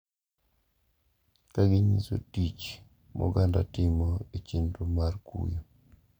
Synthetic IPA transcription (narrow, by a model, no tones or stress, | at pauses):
kaɡɪɲiso̰tit͡ʃ | mʔɔ̰ɡanda̰tɪmɔet͡ʃindumarkṵjo